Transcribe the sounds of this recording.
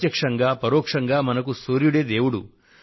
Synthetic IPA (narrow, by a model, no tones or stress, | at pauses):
jɐkʂɐŋɡaːpɐɾoːkʂɐŋɡaːmɐnɐkusoːɾjuɽeːd̪e̞ːwuɽu